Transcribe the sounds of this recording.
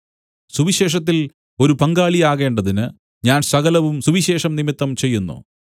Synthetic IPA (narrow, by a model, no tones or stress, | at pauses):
suʋiɕe̞ːʂ̬ɐt̪̬ːil | o̞ɾupɐŋɡaːɭijaːɣe̞ːɳɖɐðinɨ | ɲaːnsɐɣɐlɐʋumsuʋiɕe̞ːʂɐmnimit̪ːɐmt͡ɕe̞jːunːṵ